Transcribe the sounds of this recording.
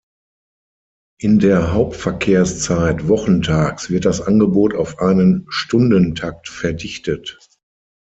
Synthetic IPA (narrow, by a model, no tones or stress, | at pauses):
ʔɪndeːɐɦaʊp̚tfɛɐkʰeːɐst͡saɪtvɔχn̩tʰaːksv̥ɪɐt̚d̥asʔanɡəboːtaʊfʔaɪnənʃtʊndəntʰak̚tfɛɐdɪçtət